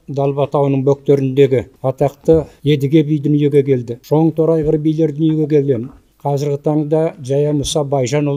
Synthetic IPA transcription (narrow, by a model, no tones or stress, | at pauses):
d̪ɑlˠbɑt̪ʰɑwnəɴbɵk̚t̪e̞ɾɪnd̪e̞ɡʲɪɑt̪ɑqt̪əe̞d̪ɪɡʲe̞bijd̪ʏnije̞ɡʲe̞kʲʰe̞ld̪ɪʒ̥o̞ɴt̪ʰoɾɑjʁəɾbijle̞ɾd̪ʏnje̞ɡʲe̞kʲʰe̞le̞mɪn | qʰɑzɪɾɡʲɪt̪ʰɑɴd̪ɑʒɑjɑmʊsɑbɑjʒɑnʊlˠ